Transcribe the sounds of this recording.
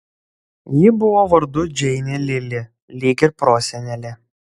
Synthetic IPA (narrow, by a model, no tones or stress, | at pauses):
jɪbʊʋoːʋɐɾd̪ʊd͡ʒʲɛɪnʲelʲɪlʲɪ | lʲiːɡʲɪɾpɾoːsʲɛnʲɛlʲɪ